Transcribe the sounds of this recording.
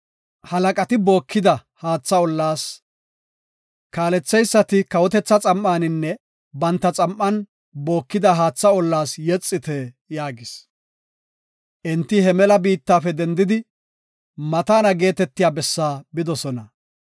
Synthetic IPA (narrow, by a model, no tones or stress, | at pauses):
hɐlɐkʼɐt̪ɪbo̞ːkʰːɪd̪ɐhaːt͡sːɐɔlːaːs | kaːlɛt͡sːɛjsːɐt̪ɪkɐwɔt̪ɛt͡sːɐt͡sʼɐmːaːnɪnːɛ | bɐnt̪ːɐt͡sʼɐmʔːɐn | bo̞ːkːɪd̪ɐɦaːt͡sːɐɔlːaːsjɛt͡sʼːɪt̪ɛ | jaːɡɪs | ʔɛnt̪ːɪhɛmɛlɐbiːt̪ːaːfɛd̪ɛnd̪ɪd̪ɪ | mɐt̪aːnɐɡe̞ːt̪ɛt̪ːɪjaːbɛsːaːbɪd̪ɔsɔnɐ